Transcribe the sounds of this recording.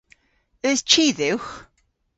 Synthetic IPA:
əst͡ʃʰiːðɪwx

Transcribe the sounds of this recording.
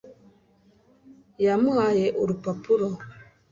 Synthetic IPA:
jamuajeʔuɾupapuɾɔ

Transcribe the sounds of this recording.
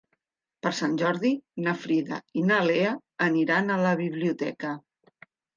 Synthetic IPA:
pəɾsanʲʒɔɾðinəfɾiða̰inaleəː | niɾanələβiβliut̪ɛ̰kə

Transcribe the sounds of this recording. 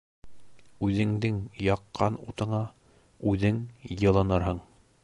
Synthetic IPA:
ʉðɘ̆ŋd̪ɘŋjɑqːɑnut̪ɤ̆ɴɑ | ʉðɘŋjɤ̆lˠɤ̆nɤɾɦɤɴ

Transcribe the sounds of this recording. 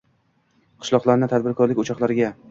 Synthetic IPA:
qʰɨ̥ʃlˠɒqlˠaɾnɪt̪ʰad̪bɪɾkʰɒɾlɪkʲʊt͡ʃʰɒqlˠaɾɪɡʲa

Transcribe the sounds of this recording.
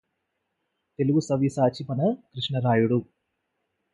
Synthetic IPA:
t̪e̞luɡusɐʋisaːt͡ʃipɐnɐkɾiʂɳɐɾaːjuɽu

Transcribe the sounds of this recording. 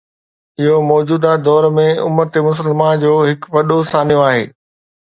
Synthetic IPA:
ɪɦomɔːd͡ʑuːd̪ad̪ɔːɾmẽʊ̰mət̪emʊs̬əlmand͡ʑoːɦɪkʋɐɗosaːnijõaːɦḛː

